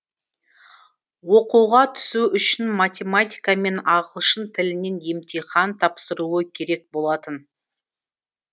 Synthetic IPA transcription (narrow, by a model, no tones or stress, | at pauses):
wo̞quwʁɑt̪ʰʏ̥suʏʃɪnmat̪ʲe̞mat̪ʲijkame̞nɑʁəlˠʃənt̪ʰɪlɪne̞nje̞mt̪ejχɑnt̪ʰɑpsəɾuəkʲʰe̞ɾe̞k̚bo̞lˠɑt̪ən